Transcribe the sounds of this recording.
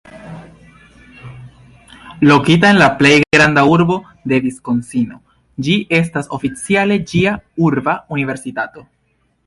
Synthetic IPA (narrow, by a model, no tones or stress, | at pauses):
lo̞kit̬ae̞nlaple̞jɡɡɾandauɾbo̞ | de̞disko̞nsino̞ | d͡ʒiʔe̞s̬taso̞fit͡siale̞d͡ʒiauɾbaunive̞ɾsitato̞